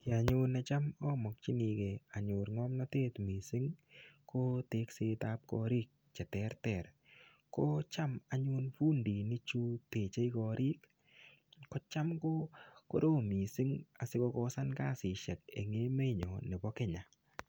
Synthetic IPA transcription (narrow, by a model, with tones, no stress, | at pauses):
kɪ˨a˨ɲu˦nɛ˧t͡ʃa˦mɔ˦mɔ˨k̚t͡ʃi˦ni˧ke˨a˨ɲu˨ɾŋɔ˦mna˦te˦tmi˨si˦ŋkʰo˦te˨˦kse˧˦ta˦p̚kɔ̰˧ɾi˦k̚t͡ʃɛ˨tɛ˦ɾtɛ˨ɾ | ko˦t͡ʃa˦ma˨ɲu˦nfu˦ndi˨ni˦t͡ʃu˦te˨t͡ʃe˦jkɔ˨ɾʔi˦k | kɔ˦t͡ʃa˦mko˦ko̰˦doː˦mi˨si˦ŋa˨sɪ˦kɔ˧kɔ˦sa˦nkaː˦˨sɪ˨ʃɛ˨k̚ḛ˨ŋe˦me˦ɲɔ̰˨ne˨bɔ˦kɪ˦ɲa˨